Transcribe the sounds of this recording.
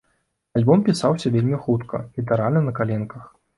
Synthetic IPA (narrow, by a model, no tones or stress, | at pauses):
alʲbɔmpʲisawsʲɐvʲelʲmʲixut̪kʰɐ̰lʲit̪ɛɾalʲnɐnɐkalʲɛnkɐx